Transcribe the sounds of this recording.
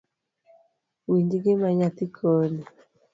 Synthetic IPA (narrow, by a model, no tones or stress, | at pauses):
wiɲd͡ʒiɡɪmaɲat̪ikʰɔni